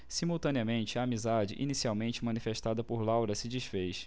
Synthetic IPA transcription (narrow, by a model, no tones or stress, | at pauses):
simuwt̪ɐ̃niɐmẽnt͡ʃɪaːmizad͡ʒɪ̰ʔḭnisiawmẽnt͡ʃɪmɐ̃nifeʃt̪ad̪ɐpoɾlawɾɐsɪd͡ʒiʃfejs